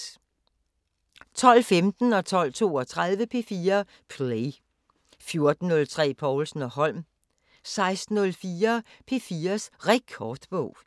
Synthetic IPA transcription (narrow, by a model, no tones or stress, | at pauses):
t͡sʰɒ̽l̰femd̥n̩ɒ̽t͡sʰɒ̽l̰t͡sʰo̝̰ːɒ̽t͡sʰʁað̞ˠʋəpʰe̝fiːɐ | pʰle | fjo̝ɐd̥n̩ːɔ̽lt͡sʰʁɛ̰ːpʰɒʊlsn̩ɒ̽hɒ̽l̰m | sɑ̈ɪsd̥n̩ɔlfiːɐ | pʰe̝fiːɐsʁɛkʰɒːd̥b̥ɔ̽ʊ̰